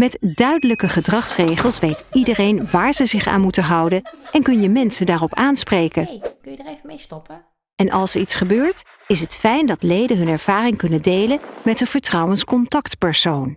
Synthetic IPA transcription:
mɛtdœɥdələkəχədrɑχsrejχəlˠsʋejtidərejnʋaːɹzəzɪχa̰ːnmutənɦɑwdənɛnkɵnjəmɛnsədaːrɔpaːnsprejkən | ɛnʔɑlˠsəɹitsχəbøːɹtɪsətfɛjndɑtlejdəɦɵnɛɹv̥aːrɪŋkɵnəndejləmɛtdəv̥əɹtrɑwənskɔntɑktpɛɹsown

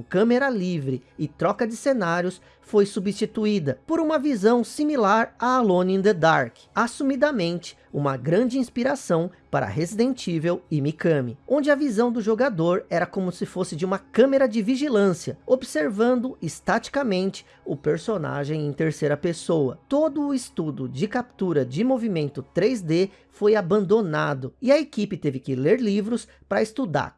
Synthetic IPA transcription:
kɐ̃meɾɐlivɾɪɪt̪ɾɔkɐd͡ʒɪsenaɾjʊs | fojsubist͡ʃit̪uid̪ɐpoɾũmɐvizɐ̃w̃similaɾaalõnĩd̪ed̪aɾk | asumid̪ɐmẽnt͡ʃɪ̥ũmɐɡɾɐ̃nd͡ʒɪĩspiɾasɐ̃w̃paɾɐ̰ɦezid̪ẽnt͡ʃivewimikɐ̃mɪõnd͡ʒɪɐvizɐ̃w̃d̪ʊʒoɡad̪oɾɛɾɐkõmʊsɪfosɪd͡ʒɪũmɐkɐ̃meɾɐd͡ʒɪviʒilɐ̃siɐobseɾvɐ̃nd̪ʊɪst̪at͡ʃi̥kamẽnt͡ʃɪ | ʊpeɾsona̰ʒẽj̃ẽt̪eɾsejɾɐpesowɐt̪od̪ʊːɪst̪ud̪ʊd͡ʒɪkap̚t̪uɾɐd͡ʒɪmovimẽnt̪ʊt̪ɾezd̪e | fojabɐ̃nd̪onad̪ʊɪɐekipɪt̪evɪkɪleɾlivɾʊs | pɾɐɪst̪ud̪a̰ɾ

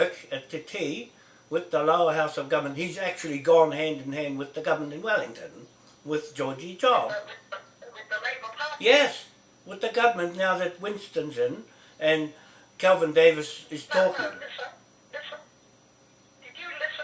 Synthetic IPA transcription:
kɨtʰɨtʰi | wɪðəloʊə˞ɦaʊsʌvɡʌvəmə̃nt̚hizæk̚t͡ʃul̩ˠiɡɔ̃nɦæ̃ndɨ̃n̩ɦæ̃nd̚wɨðɨɡʌvəmə̃ntɨ̃nwɛlˠɪ̃ŋtʰɨ̃n | wɪðd͡ʒɔɹd͡ʒit͡ʃʰɑb | jɛs | wɨðɨɡʌvə˞mɨ̃nnaʊðɨt̚wɪ̃nstɨ̃nzɨ̃n | ɨ̃n | kʰɛlˠvɨ̃ndeɪvɨsɨz̥tʰɔkŋ

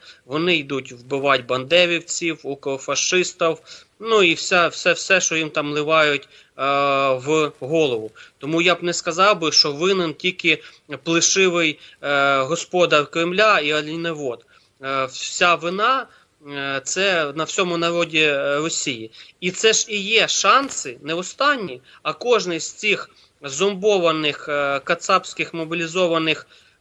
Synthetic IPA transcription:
ʋɔnɪjd̪utʲwbɪʋɑtʲbɐnd̪ɛʋʲiwt͡sʲiwʊkɔfɐʃɪst̪ɐw | nuiwsʲawsɛwsɛʃt͡ʃɔjimt̪ɑmlˠɪʋɑjʊtʲ | ʋɦɔlˠɔʋʊt̪ɔmujabnɛskɐzɑwbɪʃt͡ʃɔʋɪnɪntʲilʲkɪ | plˠɪʃɪʋɪj | ɦɔspɔd̪ɐrkɾɪmlʲaiɐlʲineʋɔd̪ | sʲaʋɪnɑ | t̪sɛnɐwsʲɔmʊnɐɾɔdʲirɔsʲijiit̪sɛʒijɛʃɑnsɪnɛɔst̪ɑnʲːi | ɐkɔʒnɪzʲt͡sʲix | zɔmbɔʋɐnɪxkɐt̪sɑpsʲkɪxmɔbʲilʲizɔʋɐnɪx

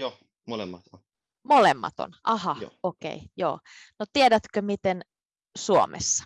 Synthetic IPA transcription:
jo | molḛmːɑt̪n | molemːɑ̰t̪o̰nʔɑhɑo̰okḛijo̰ː | not̪iedæt̪kømit̪en | suo̰mʔḛsːɑ̥

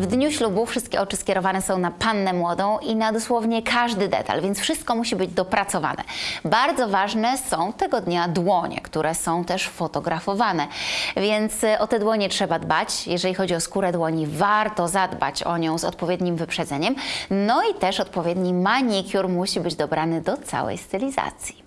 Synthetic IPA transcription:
vd̪ɲuɕlubufʂɘst̪kʲɛʔɔt͡ʂɘskʲɛɾɔvanɛsɔ̃w̃napanːɛmwɔd̪ɔ̃w̃ʔinad̪ɔswɔvɲɛkʰaʐd̪ɘd̪ɛ̰t̪a̰lvʲjɛnsfʂɘst̪̚kɔmuɕibɘd͡ʑd̪ɔpɾat̪sɔva̰nɛ̰baɾd̪zɔvaʐnɛsɔ̃w̃t̪ɛɡɔd̪ɲad̪wɔɲɛ̰kt̪uɾʔɛsɔ̃w̃t̪ɛʂfɔt̪ɔɡɾafɔvanɛvʲjɛnt̪sɔt̪ɛd̪wɔɲɛtʂɛbad̪bat͡ɕjɛʐɛlʲixɔd͡ʑiɔskuɾɛd̪wɔɲivaɾt̪ɔzad̪ba̰t͡ɕɔ̰ɲɔ̃w̃zɔ̰t̪̚pɔvʲjed̪ɲimvɘpʂɛd̪zɛɲɛmnɔit̪ɛʂɔt̪pɔvʲjed̪ɲimaɲikʲjuɾmuɕibɘd͡ʑd̪ɔbɾanɘd̪ɔt̪sa̰wɛ̰jst̪ɘlʲiza̰t̪sʲji̥

